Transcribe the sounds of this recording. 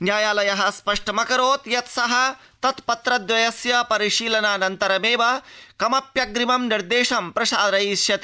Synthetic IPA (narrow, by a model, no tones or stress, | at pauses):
njaːjaːlɐjɐɦɐspɐʂʈɐmɐkɐɾoːt̪jɐt̪sɐɦɐ | t̪ɐt̪pɐt̪ɾɐd̪ʋɐjɐsjɐpɐɾiʃiːlɐnaːnɐnt̪ɐɾɐmeːʋɐkɐmɐpjɐɡɾimɐmniɾd̪eːʃɐmpɾɐʃaːd̪ɾɐiʃjɐt̪i